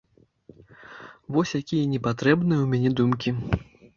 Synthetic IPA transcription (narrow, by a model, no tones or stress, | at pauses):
vɔsʲjakʲijɐnʲɛpat̪ɾɛbnɨjɐwmʲanʲɛd̪umkʲi